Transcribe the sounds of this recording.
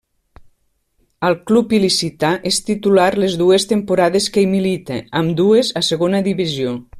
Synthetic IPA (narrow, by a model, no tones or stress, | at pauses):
əlˠklupilisit̪aʔest̪it̪ulaɾlezðuest̪empuɾaðeskeimilit̪ḛːmd̪uezaseɣonəðiβizio